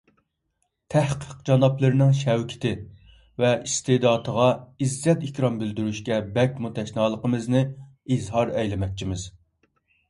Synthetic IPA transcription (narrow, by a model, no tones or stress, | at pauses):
t̪ʰæhqʰəqd͡ʒɑnɑplˠɨɾɨnɪŋʃɛwkʲʰɪ̥t̪ʰɪ | vɛʔist̪ed̪ɑːt̪ʰəʁɑizːɛt̪ikʲɾɑmbɪld̪yɾyʃkʲɛbɛkʲmut̪ʰɛʃnɑːlˠəqəmɨznɨ | izɦɑɾɛjlɪmɛk̚ʲt͡ʃʰimɪz